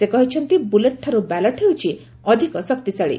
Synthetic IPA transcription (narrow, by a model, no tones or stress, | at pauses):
sekɔɦit͡ʃʰɔnt̪ibuleʈʰːaɾubalɔʈʰewt͡ʃʰi | ɔd̪ʱikɔsɔkt̪isaɭḭ